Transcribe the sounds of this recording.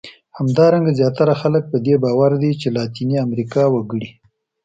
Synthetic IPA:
hamd̪ɑɾaŋɡazjɑt̪aɾaxalək̚pəd̪ebɑwaɾd̪et͡ʃelɑt̪iniamɾikɑwəɡəɽi

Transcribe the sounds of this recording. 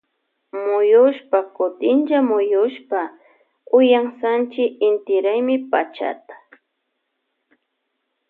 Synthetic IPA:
mʊjʊʃpakʊt̪ɪnt͡ʃamʊjʊʃpa | ʊjaŋsant͡ʃɪɪnt̪ɪɾajmɪpa̰t͡ʃa̰t̪ḁ

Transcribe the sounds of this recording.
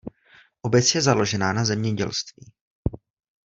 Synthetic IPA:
ʔo̞bɛt͡sjɛzalo̞ʒɛnaːnazɛmɲɛɟɛ̰lst̪viː

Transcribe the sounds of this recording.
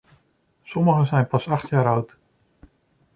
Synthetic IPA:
sɔməχəzɛjnpɑsɑχtjaːɾʌwt

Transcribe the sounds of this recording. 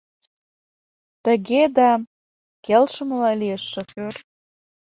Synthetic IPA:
t̪ə̆ɣed̪ɑ | kelʃə̆məlɑlijəʃːoxør

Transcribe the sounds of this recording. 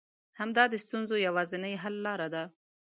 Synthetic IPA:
hamd̪ɑd̪əst̪unzojawɑzɪnəjɦalːɑɾad̪a

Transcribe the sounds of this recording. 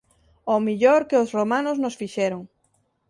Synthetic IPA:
omiʎoɾkeosromãnʊznʊsfiʃɛɾoŋ

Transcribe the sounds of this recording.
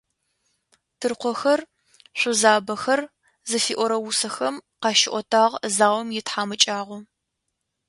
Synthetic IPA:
tʰɨrqʷɔxɐr | ɕʷʊzaːbɐxɐr | zɨfiːʔʷɔɾɐwʊsɐxɐmqɑʃɪʔʷɔtʰaːʁzaːwɔmjɪtħaːmɨt͡ʃʼaːʁʷɔ

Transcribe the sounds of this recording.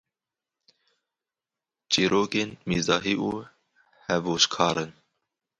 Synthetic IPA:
t͡ʃiːɾoːkeːnmiːzɑːɦiːʔṵː | hɛvoːʃkʰɑːɾɨn

